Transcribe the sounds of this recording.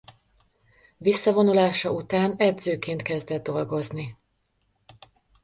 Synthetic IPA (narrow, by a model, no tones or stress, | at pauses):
visːɒvo̞nulaːʃɒut̪aːnɛd̪zøːkeːnt̪kɛzd̪ɛd̪̚ːo̞lɡo̞zni